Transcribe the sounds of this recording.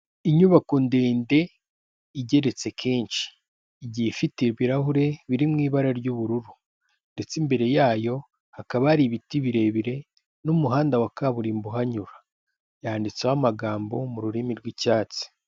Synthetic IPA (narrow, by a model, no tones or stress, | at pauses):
iɲuβakondeːnde̞ | iɟe̞ɾe̞t͡se̞kʰeːnʃi̥ː | ɟihefiteɾwiɾaɦuɾe̞βiɾimŋiːβaɾaɾɟuβuɾuɾu | nde̞t͡simbe̞ɾe̞jaːjo̞ | hakaβaaɾiβitiβiɾe̞βiɾe̞ | numuɦaːndawakaβuɾiːmbuɦaɲuɾa | jaːndit͡sehamaɡaːmbo̞muɾuɾimiɾɡwicaːt͡si̥